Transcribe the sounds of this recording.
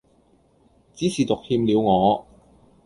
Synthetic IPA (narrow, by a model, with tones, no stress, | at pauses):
t͡siː˨˥siː˨t̪ʊ˨k̚hiː˧mliː˨˧wŋɔː˨˧